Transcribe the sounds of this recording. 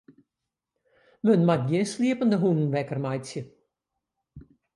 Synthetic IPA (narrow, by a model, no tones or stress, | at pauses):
mənmat̚ɡjɪnsliəpəndəɦunən̩ʋɛkərmajsjə